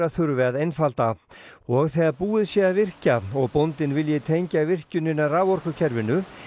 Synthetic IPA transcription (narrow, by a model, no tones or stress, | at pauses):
ɾaθʏɾvɛːðejnfal̥t̪aɔɣθɛːðaɾpuːɪðsjɛavɪr̥caɔɣpownt̪ɪnvɪljɪt̪ʰejɲcavɪr̥cʏnɪnːaraːwɔr̥kʏcʰɛɾvɪnːʏ